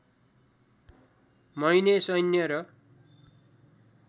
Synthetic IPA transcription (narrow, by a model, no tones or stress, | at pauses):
mʌjnesʌjnjʌɾʌ